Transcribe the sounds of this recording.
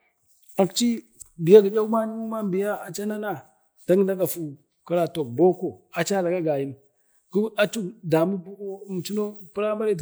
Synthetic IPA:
a˨kt͡ʃi˦ | bi˨ja˦ɡi˨d͡ʒa˦u˦ma˦ni˦mu˦ma˦bi˨ja˦a˨t͡ʃa˦na˦na˦ | d̥a˦ŋ˦da˦ɡa˨fu˨ | ka˨ɾa˨to˨k̚bo˦ko˨a˨t͡ʃa˦la˨ɡa˦ɡa˨ji˦n | ku˦a˦t͡ʃu˦kda˨mu˦bu˦ko˦˨m˨t͡ʃi˦no˦pi˦ɾa˦ma˦ɾe˦˨

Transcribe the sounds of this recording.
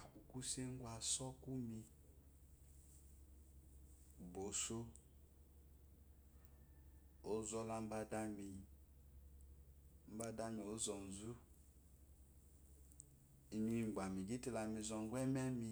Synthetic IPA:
u˨ku˦se˦ŋ˦ɡʷwa˨sɔ˦ku˦mi˧˨ | bo˨so˦ | o˦zɔ˦la˨m̩˦ba˦da˦mi˨ | m̩˦ba˦da˦mi˨o˦zɔ˨n̩˨zu˦ | i˨mi˦ŋ˨ɡ͡ba˨mi˨ɡi˦ti˦˨la˨mi˨zɔ˨ŋ˦ɡʷɛ˦m˦a˦mi˦

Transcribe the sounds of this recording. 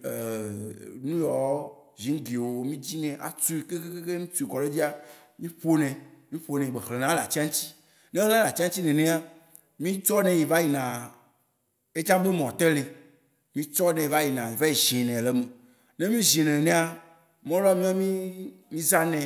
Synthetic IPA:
e˨ | nũ˦jɔ˨˦ | zi˨˦ŋ̩˦ɡi˨wo˨mĩ˦d͡ʑi˦nɛ̃˨ʔa̰˨t͡su˦i˨ke˦ke˦ke˦ke˦nũ˦t͡su˦i˨ɡɔ˨le˦d͡ʑi˦a˦ | mĩ˦ɸo˦nɛ̃˨mĩ˦ɸo˦nɛ̃˨i˨ɡ͡be˨xle˨nã˦la˨t͡ɕi˦a˦ŋ˦t͡ɕi̥˦ | nẽ˦ɣã˦la˨t͡ɕi˦a˦ŋ˦t͡ɕi˦nɛ̃˨nɛ̃˦a˦ | mĩ˦t͡ʃɔ˦nɛ̃˨ji˨va˦ji˨nã˨ | e˦d͡ʒã˦be˦mɔ̃˨t̪e˦le˨ | mĩ˦t͡ʃɔ˦nɛ̃˨i˨va˦ji˨nã˨ji˨va˦ji˨ʒĩ˨nɛ̃˨le˦me˨ | nẽ˦mĩ˦zĩ˨nɛ̃˨nɛ̃˦a˦ | mɔ̃˦lɔ˦a˦˨mĩ˦a˦mĩ˦mĩ˦za˦nɛ̃˨

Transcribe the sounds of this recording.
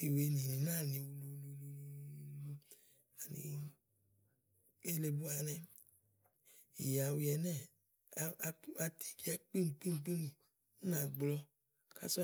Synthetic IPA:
i˨we˨nĩ˨nĩ˨nã˦˨nĩ˧wu˧lu˧˦lu˧˦lu˧lu˧lu˧˦lu˧ | a˨nḭ˨˧ | e˦le˧bu˦a˧nɛ˧ | i˨ja˨wi˧ɛ˧nɛ˦˨˧ | a˧˦a˧tʰi̥˦ki˦a˦k͡pi˦m˨k͡pi˦m˨k͡pi˦n̩˨˦ | nã˨ɡ͡blɔ˧ | ka̰˦sɔ˦

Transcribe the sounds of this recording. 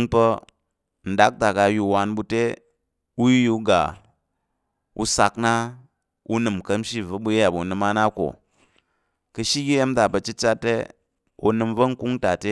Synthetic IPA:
ŋpə˧ | n̩˨da˦k̚ta˨ka˧ju˧wa˧nbu˧te˦ | u˦ji˦ju˧ɡa̰˨ | ṵ˧sa˧kna˦ | u˦nɨ˨mkə˦mʃi˦və˦bu˧je˦a˨bu˨nɨ˧ma˦na˦ko̰˨ | kə˧ʃi˦ɡe˦je˦m˦ta˨bɐ˧t͡ʃi˦t͡ʃa˦tːḛ˦ | o˧nɨ˧mvə˦ŋ̩˦ku˦ŋta˨te˦

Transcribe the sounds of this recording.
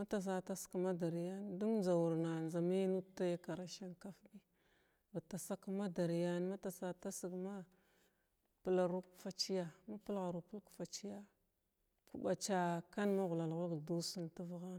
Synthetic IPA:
ma˦ta˨s̬a˦ta˦skma˦da˨ɾja˦ndu˦ŋd͡ʒa˨wu˨ɾna˨nza˨mi˦nu˦ta˦ja˦ka˨ɾa˨ʃa˦ŋka˦fbi˦ | ba˨ta˨sa˦kma˦da˨ɾi˨ja˦n˦ma˦ta˨sa˦ta˦si˨ɡma˦ | pə˦˨la˨ɾu˦kfa˦t͡ʃi˦ja˨ma˦pu˦lɣa˨ɾu˨pu˦lkfa˨t͡ʃi˦ja˦ | ku˨ba˨t͡ʃa˦ka˦nma˦ɣu˨la˨lɣu˦lɡdu˦si˦ntu˦vɣa˦n˨

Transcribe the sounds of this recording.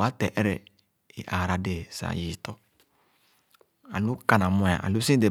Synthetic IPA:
a˦tɛ˨ʔɛ˦ɾɛ˨ | ḭ˨ʔa˨ɾa˨de˨sa̰˨ji˨tɔ˨ | a̰˨lu˦ka˦nã˨mʊ̃˦˨a̰˨ʔa̰˨lu˦sĩ˦de˨

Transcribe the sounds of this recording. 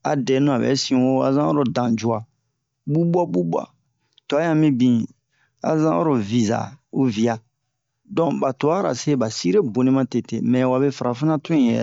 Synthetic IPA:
a̰˨dɛ˨˦nũ˦a˨bɛ̰˨˦sĩ˨wo˦a˨zã˦o˦ɾo˨dã˨d͡ʒu˨a˨ | bu˦ba˦bu˦ba̰˦ | to˨a˦jã˦mĩ˦bĩ˨ | a̰˨zã˦o̰˦ɾo˨vi˨za̰˨u˦vi˨a˨ | dɔ̃˨ba˨to˨a˦ɾa̰˨se˦ba˨si˦ɾe˦bo˨nĩ˦mã˦te˨tḛ˨mɛ̃˨wa˨be˦fa˨ɾa˨fa˦nã˦tũ˦ĩ˦˨jɛ̰˨

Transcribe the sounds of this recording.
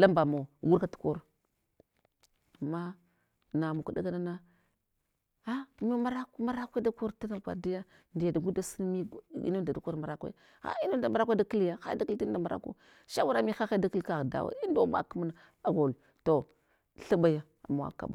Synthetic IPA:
la˦mba˨mo˨wu˦ɾka˦tu̥˦ko˦ɾ | a˨mːa˦ | na˨mu˨ka˨da̰˦ɡa˦na˦na˦ | a˦mi˦ma˦ɾa˦kma˦ɾa˦kʷe˦da˦ko˦ɾta˦na˨ɡʷa̰˨di˦ja˦ | ndi˨ja˨da˨ɡu˦da˦sə˦n˦mi˦˨ḭ˦nda˨da˨˦ko˦ɾma˨ɾa˦kʷḛ˦˨ | a̰˦i˦no˦n˨da˨ma˦ɾa˦kʷda˦ki˦lja˦xa̰˦jda˦ki˦li˦da˨ma˨ɾa̰˦kṵ˦ | ʃa˦wu˦ɾa˨mi˦xa˦xa˦da˦ki˦lka˨ɣda̰˨wa̰˨i˦ndo˦ma̰˨ku˦ma˦na˨ | a˨ɡo˨l | to˨ | ɬa˦ba˦ja˦ | a̰˨ma˨wa̰˨ka̰˨ba̰˨

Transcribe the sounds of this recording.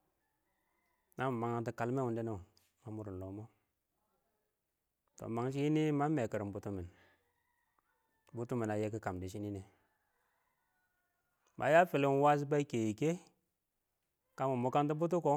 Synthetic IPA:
na˦m˨ma˨ŋa˨ti˦ka˨lme˦wu˨nde˦na˦u˨ | ma˦mu˦ɾu˨lo˨˦mo˦ | to̰˨ma˨ŋʃ̬i˦i˦ni˦ma˦me˨kə˨ɾi˨mbu˨tu˦mi˨n | bu˦tu˦mi˨na˨je˦ki˦ka˨mdi˨ʃ̬i˦ni˦ne˨ | ma˨˦ja˦fi˨li˨˦wa˦s̬i˦ba˦i˦ke˨ji˨ke˦ | ka˦mu˨mo˨ka˦nt̬i˦bu˦t̬u˦ko˦

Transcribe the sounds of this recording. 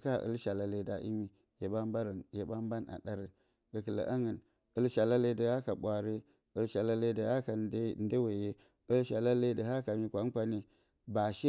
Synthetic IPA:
ka˦˨ʔə̰˦lʃa˨la˦le˦da˨ʔḭ˦mi˦ | je˨ba˦mba˦ɾə˨nje˨ba˦m˦ba˦na̰˨da˦ɾə˨n | ɡə˨kə˨lə̰˨ʔa˦ŋə˨n | ə˦lʃa˨la˦le˦də˨ha˦ka˨ɓʷa˨ɾi˦ | ə˨lʃa˨la˦le˦də˨ha˦ka˨˦˨n˦de˦we˨je˦ | ə˦lʃa˨la˦le˦də˨ɦa˦ka˨mi˦kʷa˨˦kʷa˦ne˦ | ba˨ʃe˦

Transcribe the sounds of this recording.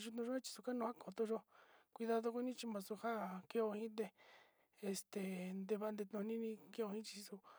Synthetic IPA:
ʒu˧t̪ũ˧ʒo˦e˦t͡ʃi̥˧su˧ka˦nũ˧ha˦ko˨t̪õ˧ʒo˦kʷi˧ða˧ðo˧ko˦nĩ˦t͡ʃi˧mã˧su˧ha˦ke˧˦o˧hĩ˦t̪̬e˧ | e˧˨st̪e˨nd̪e˧βa˧nd̪e˧t̪nũ˧nĩ˦nĩ˧ke˧o˧hĩ˦t͡ʃi̥˧su˧

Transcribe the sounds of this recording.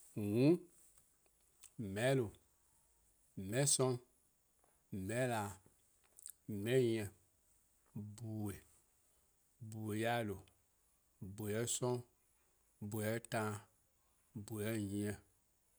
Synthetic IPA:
wũ˦ | mɛ̃˦lo˨ | mɛ̃˦sɔ̃˦ | mɛ̃˦la˨ | mɛ̃˦jĩ˨ɛ̃˨ | bu˨we˨ | bu˨we˨ja˦˨lo˨ | bo˨ɛ˦sɔ̃˦ | bu˨ɛ˨˦tã˧˦ | bu˨jɛ˦ɲĩ˦ɛ̃˨

